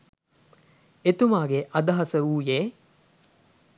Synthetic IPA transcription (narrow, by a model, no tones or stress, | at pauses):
et̪umaːɡeʔɐd̪aɦɐsəuːjeː